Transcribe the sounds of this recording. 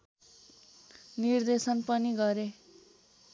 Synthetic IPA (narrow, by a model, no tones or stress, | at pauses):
nird̪esʌnpʌniɡʌɾe